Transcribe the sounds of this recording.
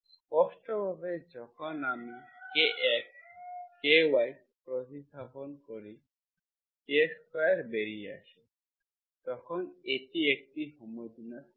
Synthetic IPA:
ɔsʈɔbʱabed͡ʒɔkʰɔnamikeʔɛk̚kewajʈ̚ | pɾɔt̪it̪apɔnkɔɾi | teskajɾbeɾia̰sɛ | t̪ɔkʰɔneʈiek̚ʈiɦɔmɔjd̪inat

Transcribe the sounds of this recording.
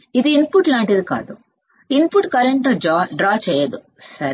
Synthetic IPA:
id̪uinpuʈlaːɳʈid̪uka̰ːd̪u | inpuʈkɐɾeɳʈɐd͡ʒɖɾaːt͡ʃɛːjɐd̪u | sɐɾ

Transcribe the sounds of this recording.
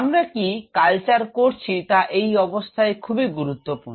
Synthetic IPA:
amɾakikalt͡ɕaɾkoɾt͡ɕʰit̪aʔejɔbost̪ʰaekʰubiɡuɾut̪ːopuɾ

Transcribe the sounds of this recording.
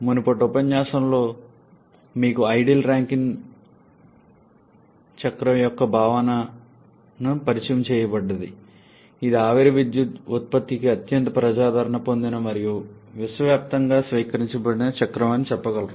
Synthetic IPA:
munupɐʈupɐɲːaːʃɐmlo̞ː | miːkuɐjɖilɾaːŋkiŋ | t͡ʃɐkɾɐmjɔkːɐbʱaːʋɐnɐ | nupɐɾit͡ʃɐjɐmt͡ʃɛːjɐbɐɖːɐd̪i | id̪iaːʋiɾɐʋid̪jut̪ut̪̚pɐt̪ːikiɐt̪jɐnt̪ɐpɾɐd͡ʒaːd̪ʱɐɾɐɳɐpo̞nd̪inɐmɐɾijuʋisʋɐʋjaːp̚t̪ɐŋɡaːsʋiːkɐɾiɲt͡ʃɐbɐɽinɐt͡ʃɐkɾɐʋaːnːit͡ʃɛpːɐɡɐlɐ

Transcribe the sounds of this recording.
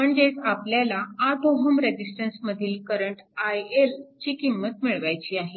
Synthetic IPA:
məɳd͡ʑesapljalaad̪oɦəmɾed͡ʑisʈənsməd̪ʱiːlkəɾəɳʈajelt͡ɕiːkimːət̪miɭʋajt͡ɕiːaɦe

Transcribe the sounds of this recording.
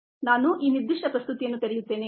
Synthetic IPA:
naːnuʔiːniɾd̪ːiʂʈɐpɾɐst̪ut̪ijɐnːut̪eɾijut̪ːe̞ːne

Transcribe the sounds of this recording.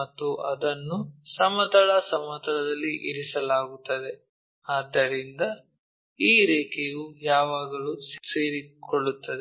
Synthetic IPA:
ɐt̪ːuɐd̪ɐnːusɐmɐt̪ɐɭɐsɐmɐt̪ɐɭɐd̪ɐlːiʔiɾisɐlaːɡut̪ːɐd̪e̞ | aːd̪ːɐɾind̪ɐ | iːɾɛːkejujaːʋaːɡɐɭusseːɾikoɭːut̪ːɐd̪e

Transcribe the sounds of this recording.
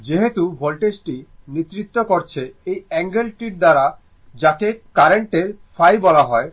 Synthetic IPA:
d͡ʑeɦet̪ubʱolʈesʈinit̪ːɾit̪ːokoɾt͡ɕʰeejɛŋɡelʈiʈ̚d̪aɾa | d͡ʑakekaɾeɳʈeɾfajbɔlaɦɔe

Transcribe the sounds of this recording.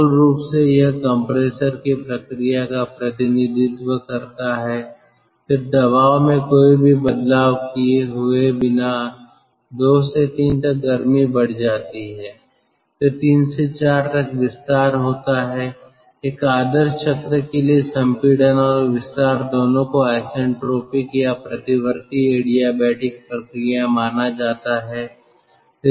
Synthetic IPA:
lɾuːpsejɐɦkɔ̃ːmpɾeːsəɾkepɾɐkɾijakapɾɐt̪ɪnɪd̪ʱɪt̪wəkɐɾt̪aɦɛ | fɪɾd̪ɐβaːʋmẽkoːibʱibɐd̪laːʋkieɦʊebɪna | d̪oːset̪iːnt̪ɐk̚ɡɐɾmibɐɽ̤d͡ʒaːt̪iɦɛː | t̪ot̪iːnset͡ʃaːɾt̪ɐkʋɪst̪aːɾɦoːt̪aɦɛ | eːkaːd̪əɾʃət̪ɾəkeliesə̃mpiːɽənɔːɾʋɪst̪aːɾd̪oːnõkoaɪsɛ̃ɳʈɾoːpɪkjapɾɐt̪ɪwəɾt̪ieːɽijabɛːʈɪk̚pɾəkɾɪjãmaːnad͡ʒaːt̪aɦɛː

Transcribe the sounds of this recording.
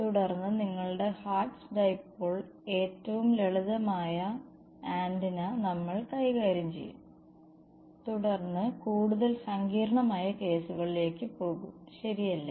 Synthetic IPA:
t̪uɽɐrnːɨniŋːɐɭɽe̞haːʈsɡɐjpːoːɭ | e̞ːtːɐʋumleɭuðɐmaːjɐ | aːndinɐnɐmːɐɭkɐjɣaːɾjɐmt͡ɕe̞̰jːṵm | t̪uɽɐrnːɨkuːɽuðɐlsɐŋɡiːɾɐɳɐmaːjɐke̞ːsuɣɐɭile̞ːkːɨpo̞ːɣumɕɐɾijɐlːɐ

